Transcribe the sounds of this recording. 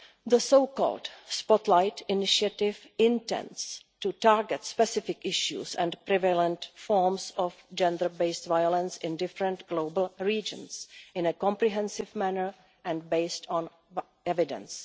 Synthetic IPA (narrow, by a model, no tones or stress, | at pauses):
ðəsoʊkɔ̰ldspɔtlajtɪnɪʃiatɪv | ɪ̃ntɛ̰̃nds | tutaɹɡɛtspɛsɪfɪkɪʃjṵsɛ̰̃npɾɪvɛlɛ̃ntfɔɹmsɔfd͡ʒɛ̃ndə˞beɪstvajolə̃nsɪ̃ndɪfɾɛ̃ntɡlowbl̩ˠɹiːd͡ʒə̰̃nsʔɪ̃nəkɔ̃mpɾiɦɛ̃nsɪvmænəɹ | ʔɛ̃ndbeɪstʰɔ̃n | ɛvɪdɛ̰̃ns